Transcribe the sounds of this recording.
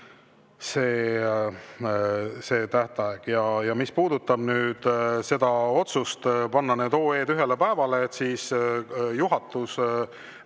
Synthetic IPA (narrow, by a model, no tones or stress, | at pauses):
se̞ː | se̞ːt̪æht̪ɑeɡ̥jɑjɑmispuːd̪̥ut̪ːˑɑb̥nyːd̪̥se̞d̪̥ɑo̞t̪sust̪pɑnːɑne̞ːd̪o̞ːe̞ːd̪yɦe̞le̞pæevɑle̞ːt̪siːsjuɦɑt̪ːˑus